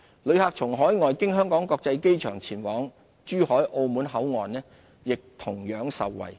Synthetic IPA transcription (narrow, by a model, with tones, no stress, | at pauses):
lɵ˨˧ɥhaː˧k̚t͡sʰʊ˨˩ŋɦɔː˨˥jŋɔː˨jkɪ˥ŋɦœː˥ŋkɔː˨˥ŋkɔː˧k̚t͡sɐ˧jke˥jt͡ʃʰœː˨˩ŋt͡sʰiː˨˩nwɔː˨˥ŋ | t͡ʃyː˥hɔː˨˥jʔo˧wmuː˨˥nɦɐ˨˥wŋɔː˨nnɛː˥ | jɪ˨k̚t̪ʰʊ˨˩ŋjœː˨˥ŋsɐ̰˨wːɐ̰˨j